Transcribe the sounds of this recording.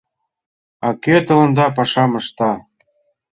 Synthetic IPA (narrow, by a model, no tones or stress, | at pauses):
ɑket̪ɤ̆lɤ̆nd̪ɑpɑʃɑmɤ̆ʃt̪ɑ